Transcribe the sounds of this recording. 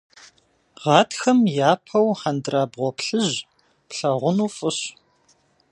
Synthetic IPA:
ʁɑːtʰxɐmjaːpʰɐwħandraːbʁʷɔpɬɨʑ | pɬɐʁʷʊnuːfʼɨɕ

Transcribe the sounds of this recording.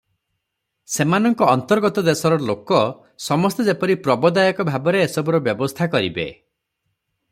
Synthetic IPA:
semanɔŋkɔːnt̪ɔɾɡɔt̪ɔd̪esɔɾɔlokɔ | sɔmɔst̪ed͡ʒepɔɾipɾɔbɔd̪ajɔkɔbʱabɔɾeːsɔbuɾɔbjɔbɔst̪ʰakɔɾḭbḛ

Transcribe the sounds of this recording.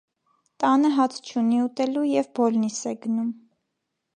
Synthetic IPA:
t̪ɑnəɦɑtʰt͡ʃʰuniut̪ɛlujɛvbɔlnisɛɡənum

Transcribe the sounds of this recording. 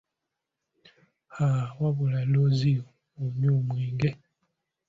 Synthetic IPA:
hawaβulalozio | oɲuːmwiːŋɡe

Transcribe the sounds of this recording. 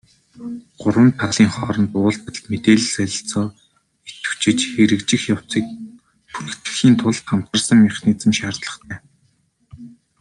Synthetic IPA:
ɢ̥ʊrwə̆nt̪̚p̪ʰaʁɮiːŋχɔːɾɞ̆nt̪ʊːɮt̪ə̆met̪eːɮ̆sœɮʲɪ̆ɬt͡sɔː | et̪ɘ̥̆w̥t͡ɕɪ̆t͡ɕxeɾɘ̆kt͡ɕɪ̆xjaw̥t͡siːk̚ | pu̥t̪̆ʰt̪ɘ̆xiːnt̪ʰʊɮt̪χam̥t̪ə̆rsə̆ŋmiχniːt͡sə̆mʃaːrt̪ɮə̥̆χt̪ʰæː

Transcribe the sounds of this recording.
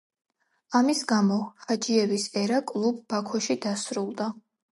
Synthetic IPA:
amisɡamɔχad͡ʒiɛbisɛɾakʼlˠub̚ːakʰɔʃid̪asɾulˠd̪a

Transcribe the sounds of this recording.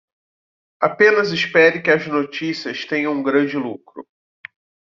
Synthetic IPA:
apẽnɐzɪspɛɾɪkɪɐznot͡ʃisiɐst̪ẽjɐ̃ũɡɾɐ̃d͡ʒɪlukɾʊ

